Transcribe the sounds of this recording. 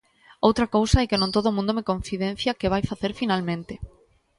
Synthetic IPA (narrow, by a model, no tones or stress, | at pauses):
owt̪ɾɐkowsaɛkɪnõnt̪oðomũnd̪omekõɱθiðẽn̟θjakeβ̞ajfaθeɾfinalmẽnt̪ɪ